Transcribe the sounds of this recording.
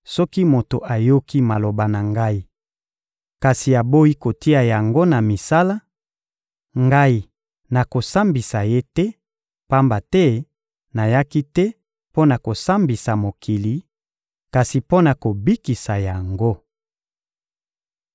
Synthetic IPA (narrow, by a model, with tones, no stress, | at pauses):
sɔ˦ki˦mo˨to˨ʔa˨jo˦ki˦ma˨lo˨ba˨na˨ŋɡa˦i˦ | ka˨si˨a˨bo˦i˦ko˨ti˦a˨ja˨ŋɡo˦na˨mi˨sa˦la˦ | ŋɡa˦i˦˨ | na˨ko˨sa˦mbi˨sa˨je˦tɛ˦ | pa˦mba˨tɛ˦ | na˨ja˦ki˦tɛ˦ | po˦na˨ko˨sa˦mbi˨sa˨mo˨kʰi˨li˨˦ | ka˨si˨po˦na˨ko˨bi˦ki˨sa˨ja˨ŋɡo˦